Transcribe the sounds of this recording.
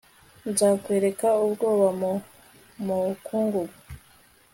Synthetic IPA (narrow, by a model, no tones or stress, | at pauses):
nzaːkweɾe̞kaubɡoːβam | mukuːŋɡuɡu